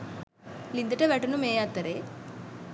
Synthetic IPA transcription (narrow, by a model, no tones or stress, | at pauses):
lind̪ɐʈɐʋeʈunumeːjaːt̪ːɐɾe